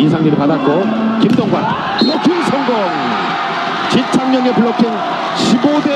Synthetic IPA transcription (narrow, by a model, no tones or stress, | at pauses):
isʰaŋɲiɾipadat̚k͈o | kimdʌŋɡwan | pʰokʰinsʰʌŋɡʌŋ | t͡ɕit͡ɕʰamɲʌŋepuɭːʌkʰin | ɕʰibode